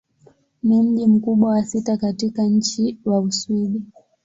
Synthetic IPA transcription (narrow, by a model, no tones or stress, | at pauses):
nim̩ʄim̩kuɓwawasitakatikaɲ̩t͡ʃiwausuɗi